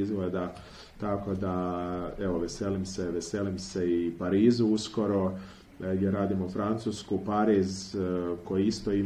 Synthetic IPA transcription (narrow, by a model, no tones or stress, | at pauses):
zɡled̪a | t̪ako̞d̪ae̞ʋo̞ʋeseːlimseʋeseːlimseipaɾiːzuusko̞ɾo̞ | ɡjeɾaːd̪imofɾant̪suskupaɾizko̞jiist̪oi